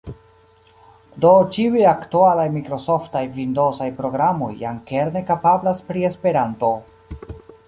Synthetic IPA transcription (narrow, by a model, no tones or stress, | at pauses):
do̞t͡ʃiujaktualajmikɾo̞so̞ftajvindo̞sajpɾo̞ɡɾamo̞̰jːa̰ŋke̞ɾne̞kapablaspɾie̞spe̞ɾanto̞